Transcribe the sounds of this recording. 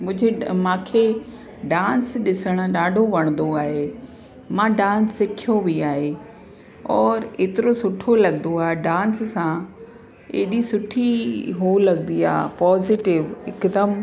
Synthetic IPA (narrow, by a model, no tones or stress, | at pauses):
mʊ̃ɦɪ̃d͡ʑʱemãːkʰeː | ɖãːnsɗɪsəɽ̃ʊ̆ɗaːɖʱoʋɐɽ̃nd̪oaːɦe | mãɖãːnsːɪkʰijobiaːɦe | ɔːɾeːt̪ɪɾosʊʈʰolɐɠənd̪oaːɦeɖãːnsːã | ḛːɗisʊʈʰiɦoːlɐɠnd̪ia̰ːpɔːzɪʈɪʋɪkd̪əm